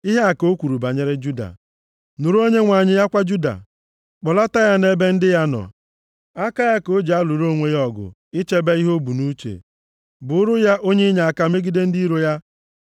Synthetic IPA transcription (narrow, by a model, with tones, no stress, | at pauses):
i˦ɦe˦a˨ko˦kʷu˨ɾu˨ba˨ɲe˦ɾɪ˦d͡ʒu˦da̰˨ | nu˨ɾu˦o˦ɲe˦ŋʷa˨ɲɪ˦ja˦kʷa˦d͡ʒu˦da̰˨ | k͡pɔ˨la˦ta˦ja˦ne˦be˦n̩˦dɪ˦ja˦nɔ̰˨ | a˦ka˦ja˦ko˦d͡ʒa˦lu˨ɾo˦˨ŋʷe˦jɔ˨ɡʊ̰˨ | ɪ˦t͡ʃe˦be˦i˦ɦo˦bu˨nu˦t͡ʃḛ˨ | bʊ˨ʊ˦ɾʊ˦ja˦ʔo˦ɲe˦ɲa˨a˨ka˨me˦ɡi˦de˦n̩˦di˦ɾo˦ja˦